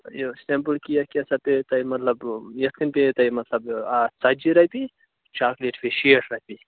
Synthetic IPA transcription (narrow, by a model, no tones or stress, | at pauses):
josempəlkijɐkɐsɐpet̪ɐjmɐt̪lɐbjɐt̪̚kʰinʲpet̪ɐjmɐt̪lɐbat͡sɐd͡ʒiɾɐbi | t͡ʃaːkleʈʰpeʃiːʈʰɾɐɦpi